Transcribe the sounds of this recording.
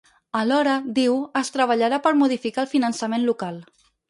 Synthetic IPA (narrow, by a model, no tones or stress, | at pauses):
əlɔɾəd̪iwəst̪ɾəβ̞əʎaɾapəɾmuð̞ifikalˠfinənsəmenlukalˠ